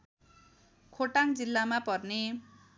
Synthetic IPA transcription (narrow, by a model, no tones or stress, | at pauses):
kʰoʈaŋd͡zilːamapʌrne